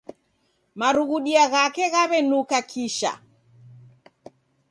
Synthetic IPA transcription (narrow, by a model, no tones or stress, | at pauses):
maɾuɣuɗiaɣakɛɣaβɛnukakʰiʃa̰